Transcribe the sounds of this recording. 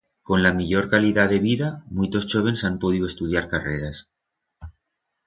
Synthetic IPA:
ko̞nlamiʎo̞ɾkaliðaðe̞βiðamujt̪o̞st͡ʃoβ̞e̞nsampo̞ð̞iðoest̪uð̞jaɾkareɾas

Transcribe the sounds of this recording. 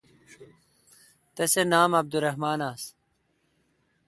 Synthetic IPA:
t̪ɐsenaːmɐb̚d̪uɾɐɦmaːnaːs

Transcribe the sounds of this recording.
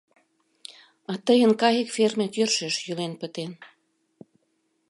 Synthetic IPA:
ɑt̪əjənkɑjə̆kfermekørʃĕʃjylenpə̆t̪en

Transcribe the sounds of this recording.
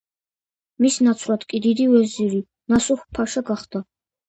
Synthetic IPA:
misnat̪sʰlat̪ʰʼkʼid̪id̪iwɛziɾi | nasuχpʰaʃaɡaχd̪a

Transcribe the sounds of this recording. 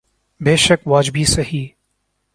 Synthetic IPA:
beːʃəkʋaːd͡ʒbʱisɐɦiː

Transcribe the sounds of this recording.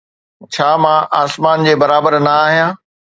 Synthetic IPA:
t͡ɕʰaːmãʔaːsmaːnd͡ʑeːbɐɾaːbəɾnɐaːɦijãː

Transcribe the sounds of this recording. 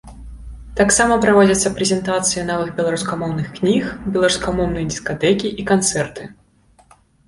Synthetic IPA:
t̪aksamɐpɾavad͡zʲɐt̪sːɐpɾɛzʲɛnt̪at̪sɨjɐnɔvɨɣbʲɛlˠaɾuskamɔwnɨxknʲixbʲɛlˠaɾuskamɔwnɨjɐd̪ʲiskat̪ɛkʲiʔikant̪sɛrt̪ɨ

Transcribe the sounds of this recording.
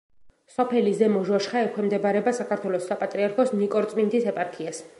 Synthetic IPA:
sɔpʰɛlizɛmɔʒaʃχaɛkʰɛmd̪ɛbaɾɛbasakʰaɾt̪ʰwɛlɔsːapʼat̪ʼɾiaɾkʰɔsnikʼɔɾt̪sʼmint̪isɛpʼaɾkʰias

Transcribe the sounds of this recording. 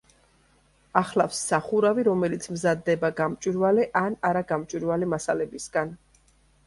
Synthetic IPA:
aχlafsːaχuɾaviɾɔmɛlit̪sʰmzad̪ːɛbaɡamt͡ʃʼwiɾvalɛʔanaɾaɡamt͡ʃʼwiɾvalɛmasalɛbisɡan

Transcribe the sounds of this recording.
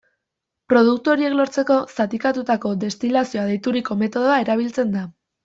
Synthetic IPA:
pɾo̞ð̞ukt̪uo̞ɾie̞klo̞ɾt͡se̞ko̞sat̪ikat̪ut̪ako̞d̪e̞st̪ilasio̞aðejt̪uɾiko̞me̞t̪o̞ð̞oae̞ɾaβ̞ilt͡se̞nd̪a

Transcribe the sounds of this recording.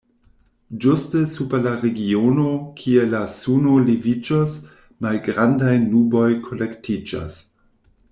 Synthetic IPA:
d͡ʒustəsupelaɾeɡionokʰielasuno̞livid͡ʒos | malɡɾandajnubo̞jkʰo̞lektid͡ʒa̰s

